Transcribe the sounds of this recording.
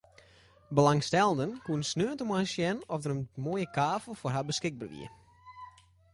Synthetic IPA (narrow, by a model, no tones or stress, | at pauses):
bəlaŋstɛlˠəndənkuənsnøːntəmasjɛnɔfdərənmoːjəkʰaːfəl̩ˠforɦabəskɪɡ̚barʋḭə